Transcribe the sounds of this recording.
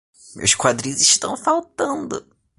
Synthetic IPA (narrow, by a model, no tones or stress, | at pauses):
ʊ̰skwad̪ɾĩziʃt̪ɐ̃w̃fawt̪ɐ̃nd̪ʊ